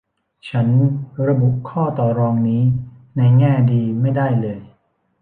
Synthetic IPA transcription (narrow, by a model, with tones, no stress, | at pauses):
t͡ɕʰa˦˥nɾa˧bu˨˩ʔkʰɔː˥˩t̪ɔː˨˩ɾɔː˧ŋniː˦˥ | na˧jŋɛː˥˩diː˧ma˥˩jda˥˩jlɤː˧j